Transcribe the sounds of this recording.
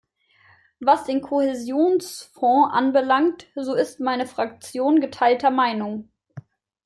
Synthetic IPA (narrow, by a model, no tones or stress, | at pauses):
vasd̥eːnkʰohezjoːnsfɔ̃ʔa̰nbəlaŋtz̥oːɪstmaɪnəfʁ̥ak̚t͡sjoːnɡətʰaɪltɐmaɪnʊŋ